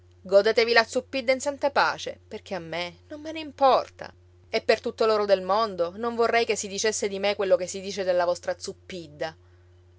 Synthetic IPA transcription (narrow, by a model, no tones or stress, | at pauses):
ɡod̪eːt̪evilat̪supːid̪ːainsant̪apa̰ːt͡ʃḛperkʰeamːenomːeneimpɔrt̪a̰ | epːert̪ut̪ːoloːɾod̪elmond̪onoɱvorːɛjkesːid̪it͡ʃesːed̪imekwelːokesːid̪iːt͡ʃed̪elːavɔst̪ɾat̪supːid̪ːa